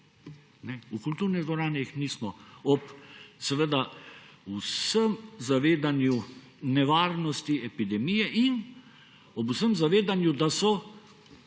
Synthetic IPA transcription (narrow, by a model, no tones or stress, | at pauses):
nɛukult̪uɾnɛɡ̪ɔɾaːnɛixniːsmɔɔpsɛʋəd̪ausəmzaʋeːd̪anju | nɛʋaːɾnɔst̪iɛpid̪ɛmijɛʔin | ɔbusəmzaʋeːd̪anjud̪asɔ